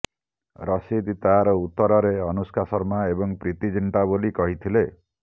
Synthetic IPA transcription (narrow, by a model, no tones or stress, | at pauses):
ɾɔsid̪t̪aɾɔut̪ːɔɾɔɾeɔnuskʰasɔɾmaebɔŋpɾit̪id͡ʒiɳʈabolikɔɦit̪ʰile